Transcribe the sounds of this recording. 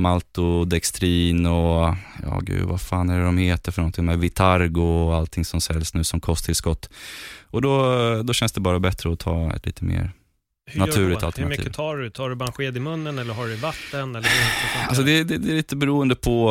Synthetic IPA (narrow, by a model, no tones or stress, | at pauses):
malt̪ʊd̪ɛkst̪ʰɾiːnɔjɑ̰ːɡʉ̟̰ːd̪vafaːnæɖɖɔmheːt̪əɾfœɳɔnt̪ʰɪŋmɛvɪt̪ʰaɾɡʊalt̪ʰɪŋsɔmsɛlːsnʉ̟ːsɔmkʰɔst̪ʰɪlskɔt̪ːɔd̪ɔd̪ɔɕɛnsd̪ɛbɑːɾabɛt̪ɾəɔt̪ʰɑ̰ːɛ̰t̪lḭːt̪ʰəmḛːɾ | hnaʉ̟ːlɪt̪alt̪əɳaiːvt̪ʰɑːɖɵt̪ʰɑːɖɵbɑːɾaɧeːd̪ɪmɵnːənɛlːəɾɦɑɖɛvat̪ːənɛlːəɾalsɔd̪ɛd̪ɛd̪ɛːliːt̪əbɛɾuːənd̪əpʰɔ